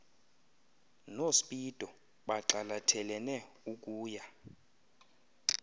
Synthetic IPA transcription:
nosi̥ɓʼid̥ʱʼɔ | ɓaǁalatʰɛlɛnɛ | uk̬ʼuːja

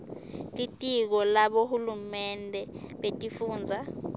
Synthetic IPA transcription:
tʼitʼik̬ɔlaɓohulumɛndʱʼɛɓetʼifuːnd͡zʱa

